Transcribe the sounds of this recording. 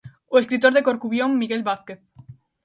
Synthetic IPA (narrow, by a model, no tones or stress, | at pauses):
ueskɾit̪oɾðekoɾkuβjomːiɣelβaθkeθ